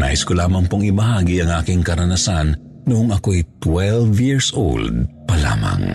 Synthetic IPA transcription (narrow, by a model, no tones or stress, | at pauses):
na̰ːʔɪskolaːmɐŋpoŋɪbɐɦaːɡiɐŋʔaːkɪŋkɐɾɐnasan | nʊʔoŋɐkoɛjt̪wɛlvjiɹsʔo̰ld̪̚pɐla̰ːma̰ŋ